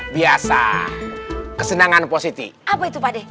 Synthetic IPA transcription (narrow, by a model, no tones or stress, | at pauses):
biasa̰ | kəsənaŋanposit̪ḭapait̪upadɛ